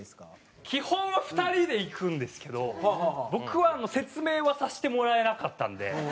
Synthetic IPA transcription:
kʲihõ̞nːaɸɯ̟̥t̪aɾʲid̪e̞ikɯ̟̃nd̪e̞sɨ̥ke̞d̪o̞bo̞kɯ̟βaːno̞se̞t͡sɨme̞ːβasaɕi̥t̪e̞mo̞ɾae̞nakat̪ːã̰nd̪e̞̰

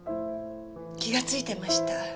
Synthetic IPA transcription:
kʲiɡat͡sɨit̪e̞maɕi̥t̪a

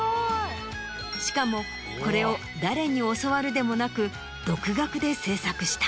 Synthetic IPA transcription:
ɕi̥kamo̞ | ko̞ɾe̞o̞ | d̪aɾe̞ɲ̟io̞soβaɾɯ̟d̪e̞mo̞nakɯ̟ | d̪̥o̞kɯ̟ɡakɯ̟d̪e̞se̞ːsakɯ̟ɕi̥t̪ḁ

